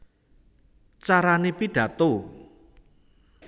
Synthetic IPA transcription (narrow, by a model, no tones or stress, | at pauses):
t͡ʃaɾanepiɖ̥ä̤t̪o